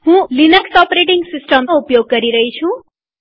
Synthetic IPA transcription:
hũlinʌksɔpɾeʈiŋɡsisʈʌmupjoɡ̚ːʌɾiɾʌɦit͡sʰũ

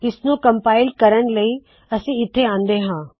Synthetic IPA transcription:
ɪsnõkɐ̃mpaːɪlkɐɾəɽ̃lɐi | ɐsĩɪt̪ʰːeãːnd̪eɦãː

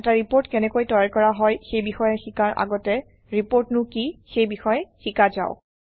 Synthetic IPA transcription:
ɛtaɹipoɹtkɛnɛkojtɔjaɹkɔɹaɦɔjxejbixɔjɛxikaɹʔa̰ɡɔtɛ | ɹipoɹtnʊkixejbixɔjɛxikaza̰ʊ

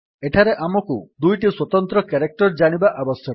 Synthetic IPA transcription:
eʈʰaɾeʔamɔkud̪ujʈiswɔt̪ɔnt̪ɾɔkaɾek̚ʈɔɾd͡ʒaɽ̃ibaʔabɔsjɔ

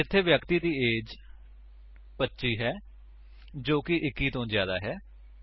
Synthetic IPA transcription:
ɪt̪ʰːeːʋjəkt̪iːd̪iːeːd͡ʒ | pətːʃiːɦɛː | d͡ʒoːkɪʔɪkːiːt̪õːzjaːd̪aːɦɛː

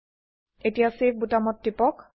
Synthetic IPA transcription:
etijasebutamɔtːipɔk

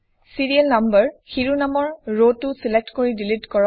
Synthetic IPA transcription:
siɹiɛlnambəɹxiɹunamɔɹɹotːusilek̚tkoɹidilitkɔɹɔ

